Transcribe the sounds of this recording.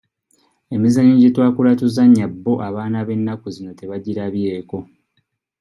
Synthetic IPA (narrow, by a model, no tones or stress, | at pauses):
e̞mizaɲiɲɟitwaːkulatuzaɲːabːo̞ʔaβaːnaβe̞nːakuzino̞te̞βaɟiɾaβje̞ːko̞